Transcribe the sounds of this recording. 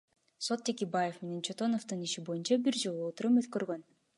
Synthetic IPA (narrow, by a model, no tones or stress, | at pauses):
so̞t̪ːekebaje̞fme̞ne̞nt͡ʃʰot̪o̞noft̪ɯniʃibo̞junt͡ʃɑbiɾd͡ʒo̞lˠuot̪uɾumøt̪køɾɡø̞n